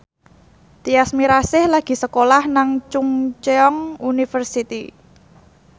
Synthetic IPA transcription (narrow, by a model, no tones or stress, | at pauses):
t̪iasmiɾasɪhlaɡ̥i̤səkolahnaŋt͡ʃuŋt͡ʃeɔŋunifərsit̪i